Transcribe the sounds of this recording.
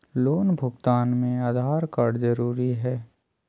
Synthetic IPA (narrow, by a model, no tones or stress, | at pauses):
loːnbʱʊɡt̪aːnmẽaːd̪ʱaːɾkaːɖzɐɾuːɾiɦɛː